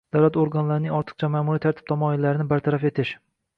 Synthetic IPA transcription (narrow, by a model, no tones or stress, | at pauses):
d̪̥awlat̪oɾɡanlaɾɪnɪŋɒɾt̪ʰɨ̥qt͡ʃʰamaːmuɾit̪ʰaɾt̪ʰɪ̥b̥̚t̪ʰamɒɪlːaɾɪnɪbaɾt̪ʰaɾafe̞t̪ʰɪʃ